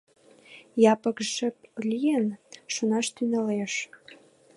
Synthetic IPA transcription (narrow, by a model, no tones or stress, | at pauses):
jɑpə̆kʒə̆p̚lijənʃunɑʃt̪ynəleʃ